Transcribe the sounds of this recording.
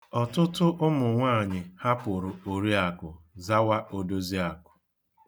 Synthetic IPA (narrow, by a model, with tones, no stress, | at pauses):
ɔ˨tʊ˦tʊ˦ʔʊ˦mʊ˨ŋʷaː˦˨ɲɪ˨ha˦pʊ˨ɾʊ˨o˨ɾi˦a˨kʊ˨ | za˦wa˦ʔo˨do˦zi˦a˨kʊ̥˨